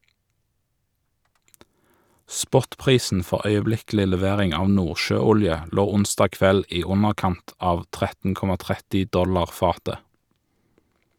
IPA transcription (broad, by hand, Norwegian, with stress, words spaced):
ˈspɔtˌpʁiːsn̩ ˈfɔʁ œʏəˈblɪklɪ lɛˈʋeːʁɪŋ ˈɑː ˈnuːʁʃøːˌʊljə ˈloː ˈʊnsdɑː ˈkʋɛl ˈiː ˈʊnəʁˌkɑnt ˈɑːʋ ˈtʁɛtn̩ ˈkɔmɑ ˈtʁɛtɪ ˈdɔlɑʁ ˈfɑːtə